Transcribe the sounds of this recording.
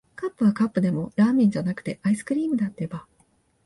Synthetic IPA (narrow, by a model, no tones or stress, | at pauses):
kapːɯ̟βakapːɯ̟d̪e̞mo̞ɾaːmʲĩɲ̟d͡ʑanakɯ̟̥t̪e̞ʔaisɨ̥kɯ̟ɾʲiːmɯ̟d̪at̪ːeba